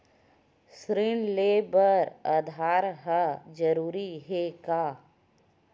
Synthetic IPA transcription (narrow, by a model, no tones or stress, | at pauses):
sɾɪɳleːbəɾəd̪ʱaːɾɦad͡ʒəɾuːɾiɦekaː